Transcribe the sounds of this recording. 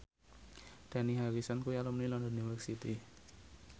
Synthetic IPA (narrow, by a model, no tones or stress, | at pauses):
d̪̥aniɦaɾisankujalɔmnilɔndɔniwərsit̪i